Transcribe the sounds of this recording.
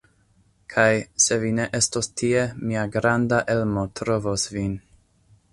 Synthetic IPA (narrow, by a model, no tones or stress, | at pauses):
kʰajse̞vine̞ʔe̞stostʰie̞miaɡɾandaʔe̞lmo̞tɾo̞vosvin